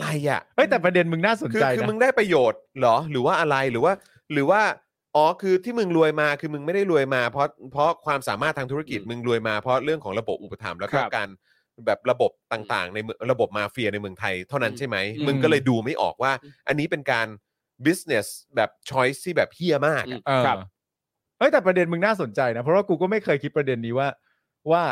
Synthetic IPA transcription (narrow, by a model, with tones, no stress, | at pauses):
a˧ɾa˧jʔa̰˨˩ʔʔɤ˦˥˩jt̪ɛː˨˩pɾa˧de˧nmɯ˧ŋnaː˥˩so˩˦kʰɯː˧t͡ɕa˧kjɯː˧mɯ˧ŋdaː˥˩jpɾa˧joː˨˩t̪̚lɔ˩˦ɾɯː˩˦waː˥˩ʔa˧ɾa˧jɾɯː˩˦waː˥˩ | ɾɯː˩˦waː˥˩ | ʔɔː˨˩˦kʰɯː˧t̪ʰiː˥˩mɯ˧ŋɾu˧əjmaː˧kʰɯː˧mɯ˧ŋma˥˩jda˥˩jɾu˧əjmaː˧pʰɾɔ˦˥pʰɾɔ˦˥kʰwaː˧msa̰ː˩˦maː˥˩t̪ʰːa˧ŋt̪ʰɾki˨˩t̪̚mɯ˧ŋɾu˧əjmaː˧pʰɾɔ˦˥ɾɯ˥˩əŋkʰɔː˩˦ŋɾa˧bo˨˩p̚ʔu˨˩pːa˧t̪ʰa̰˩˦mlɛː˦˥kɔː˥˧˩kaː˧n | bɛː˨˩p̚ɾa˧bo˨˩p̚t̪aː˨˩ŋt̪a̰ː˨˩ŋna˧jmɾa˧bo˨˩p̚maː˧fi˧ɐna˧jmɯ˧˩əŋt̪ʰa˧jt̪ʰa˥˩wna˦˥nt͡ɕʰa˥˩jma˦˥jmɯ˧ŋkɔː˥˩lɤː˧jduː˧ma˥˩jʔɔ̰ː˨˩k̚waː˥˩ʔa˧nːiː˦˥pe˧nkaː˧n | bi˦˥s̚ne˨˩sbɛː˨˩p̚t͡ɕʰɔ˦˥jst̪ʰiː˥˩bɛː˨˩p̚hi˥˩ɐmaː˥˩k̚a˧˩˧ | ʔɤ˦˥jt̪ɛː˨˩pɾa˧de˧nmɯ˧ŋnaː˥˩so˨˩˦nt͡ɕa˧jna˦˥pʰɾɔ˦˥waː˥˩kuː˧kɔː˥˩ma˥˩jkʰɤː˧jkʰi˦˥t̪̚pɾa˧de˧nːiː˦˥waː˥˩ | waː˥˩